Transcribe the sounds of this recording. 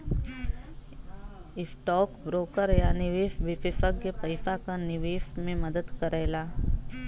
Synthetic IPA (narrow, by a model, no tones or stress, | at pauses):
ɪsʈɔːkbɾoːkəɾjanɪʋeːʃʋɪfɪfəkkepɐɪsakanɪʋeːʃmẽmɐd̪əd̪kəɾɛːlaː